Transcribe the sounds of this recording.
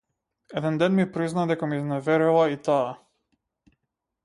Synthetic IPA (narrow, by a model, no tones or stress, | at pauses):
ɛd̪ɛnd̪ɛnmipɾiznad̪ɛkamiznavɛɾilˠait̪aː